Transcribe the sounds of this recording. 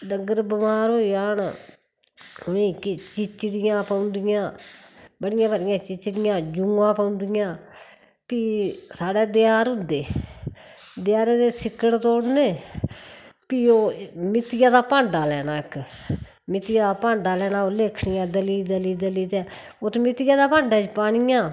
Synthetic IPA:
dəɡəɾbəmaːɾɦoːiaːn | ʊiːkɪt͡ʃɪt͡ʃɽɪjãːpaʊnd̪ɪjãːbəɽɪjãːbəɽɪjãːt͡ʃɪt͡ʃɽɪjãːd͡ʒʊːãːpaʊ̃nd̪ɪjãː | piːsaːɽɛːd̪ɪjaːɾɦʊ̃nd̪eː | d̪ɪjaːɾeːd̪eːsʰɪkːəɽt̪oːɽneː | piːoːmɪt̪ɪjãːd̪aːpãːɳɖaːlɛːnaːɪk | mɪt̪ɪjaːd̪aːpãːɳɖaːlɛːnãːoːleːkʰɽɪjãːd̪əliːd̪əliːd̪əliːt̪ɛː | oːt̪ːmɪt̪ɪjãːd̪aːpãːɳɖaːt͡ʃpaːɽɪjãː

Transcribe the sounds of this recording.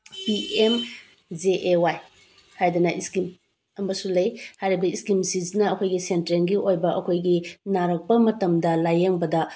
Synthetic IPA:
piem | d͡ʒeʔewaj | hajdɐnɐʔiskim | ɐmbɐsulɐjhajɾibɐiskimsiznɐːkʰojɡisentɾenɡiʔojbɐʔɐkʰojɡinaɾɐk̚pɐmɐtɐmdɐlajeŋbɐdɐ

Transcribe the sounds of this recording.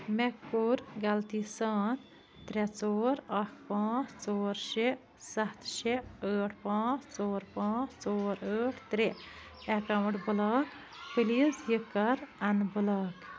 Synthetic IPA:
mekːuɾɡɐlt̪isaːn | t̪ɾʲet͡soːɾɐkʰpãːt͡st͡soːɾʃe | sɐt̪ʰʃeəːʈʰpãːt͡st͡soːɾpãːt͡st͡soːɾəːʈʰt̪ɾe | ekawɳʈbulaːk | pɨlisjikːɐɾɐnbulaːk

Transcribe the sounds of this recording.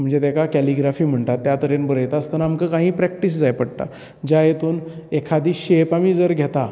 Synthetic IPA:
m̤əɳd͡zet̪akakɛliɡɾafiːm̤əɳʈ̪at̪ːjat̪əɾenbəɾəjt̪aəst̪ənaːmkəkãɦĩːpɾɛk̚ʈiːs̬d͡zajpəɽt̪a̰ | d͡ʑajet̪uːnekʰad̪iːɕepamiːd͡zəɾɡʱet̪a

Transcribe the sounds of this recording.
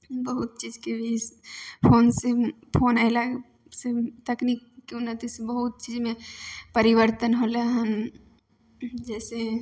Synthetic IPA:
bɐɦʊt̪̚t͡ʃiːzkebʱiɪspʰoːnse | pʰoːnaːela | set̪ɐkniːkːeʊnːət̪isebɐɦʊt̪̚t͡ʃiːzmẽpɐɾɪʋəɾt̪ənɦoːleɦɐ̃m | d͡ʒɛːse

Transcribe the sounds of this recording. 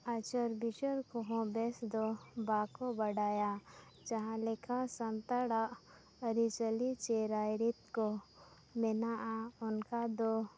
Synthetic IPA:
at͡ʃəɾbiʃəɾkoɦõbesd̪obaːkobəɽaːja | d͡ʒɐɦãlɪkʰasə̃nt̪aɽa | əɾit͡ʃəlit͡ʃeɾaːjɾit̪ko | mɪnaʔaʊnkad̪o

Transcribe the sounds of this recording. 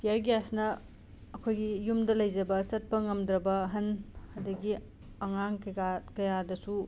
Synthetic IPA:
tijɐɾɡasnɐː | kʰojɡijumdɐlɐjd͡ʒɐbɐt͡ʃɐt̚pɐŋɐmdɾɐbɐɦɐnhɐdɐɡi | ɐŋaŋkɐakɐjadɐsu

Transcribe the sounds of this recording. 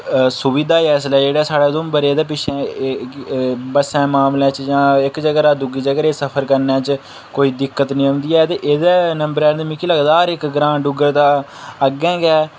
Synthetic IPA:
sʊbiːd̪aːɛːslɛːd͡ʒeːɽaːsaːɽeːzʊmbəɾeːd̪eːp̬ɪʃʰɛ̃ː | bəsɛ̃ːmaːmlɛ̃ːt͡ʃjãːɪkd͡ʒəɡɾaːd̪uɡiːd͡ʒəɡəɾeːsəpʰəɾkəɾnɛ̃ːt͡ʃ | koːiːd̪ɪkːət̪nĩːɦʊ̃nd̪iːɛːt̪eːʔeːd̪ɛːnəmbəɾɛːmikiːləɡd̪aːɾɪkɡɾãːɖʊɡəɾd̪aːəɡɛ̃ːɡɛː

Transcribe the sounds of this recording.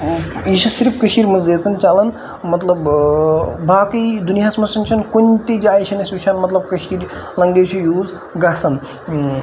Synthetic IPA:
iːʃusiɾipkɐʃiːɾʲmɐzeːt͡sɐnt͡ʃalɐn | mɐt̪lɐb | bʱaːkɐd̪unijaːsmɐsɐnt͡ʃʰɐnkunʲt̪id͡ʒaːiʃʰɐnɐsʲuʃʰanmɐt̪lɐb̚kɐʃiːɾʲlɐŋɡeːʃʰujuːz | ɡasɐn

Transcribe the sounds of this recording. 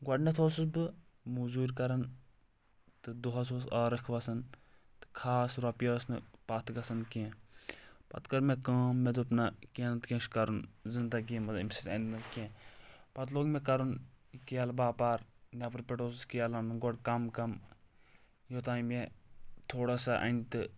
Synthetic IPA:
ɡɔɖnɐt̪ʰoːsusbɨ | muzuːɾʲkɐɾɐn | t̪ɨd̪uɦɐs̬oːsaːɾɐkʰʋɐsɐn | t̪ɨ̥kʰaːsɾɐpjəːsnɨpɐt̪ʰɡɐsɐnkẽ | pɐ̰t̪kɐɾmekãːmːed̪upnakenɐt̪kʲẽʃkɐɾunzɨnd̪ɐɡimɐimsit̪ɐ̰nnɨkẽpɐt̪̬loːɡmẽkɐɾunkijalbaːpaːɾnʲapɐɾpʲeʈoːsskijalɐnɡɔɽkɐmkɐm | jot̪aːjmet̪ʰoːɽasaʔɐ̰nʲt̪ɨ

